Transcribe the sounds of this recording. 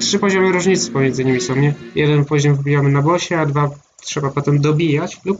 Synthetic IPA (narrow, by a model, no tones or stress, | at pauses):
tʂɘpɔʑɔmɘɾuʐɲit̪sɘ̥pɔmʲjɛnzɘɲimʲisɔ̃w̃ɲɛjɛd̪ɛnpɔʑɔmvbʲijamɘnabɔɕɛad̪va | tʂɛbapɔt̪ɛmd̪ɔbʲijat͡ɕlup